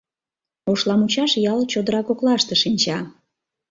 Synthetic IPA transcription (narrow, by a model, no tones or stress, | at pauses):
oʃlɑmut͡ɕɑʃjɑlt͡ɕod̪əɾɑkoklɑʃt̪eʃinʲt͡ɕɑ